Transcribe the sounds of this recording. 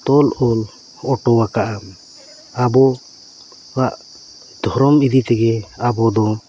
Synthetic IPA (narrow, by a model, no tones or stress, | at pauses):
t̪ɔlʔɔl | ɔʈɔwakaʔam | abɔ | waʔ | d̪ʱɔɾɔmid̪it̪ɛɡɛabɔd̪ɔ